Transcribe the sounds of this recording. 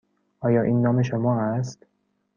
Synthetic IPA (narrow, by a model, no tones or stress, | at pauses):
ʔɒːjɒːʔiːnːɒːme̞ʃ̬omɒːæst̪